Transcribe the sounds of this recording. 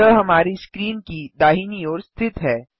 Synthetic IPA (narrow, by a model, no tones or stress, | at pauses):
əɦɐmaːɾiskɾiːnkid̪aːɦiːniɔːɾst̪ʰɪt̪ɦɛː